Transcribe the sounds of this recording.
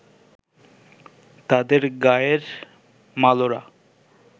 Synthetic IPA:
t̪ad̪eɾɡaeɾ | maloɾa̰

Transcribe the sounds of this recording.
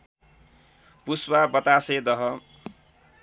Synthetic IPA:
puswabʌt̪ased̪ʌɦʌ

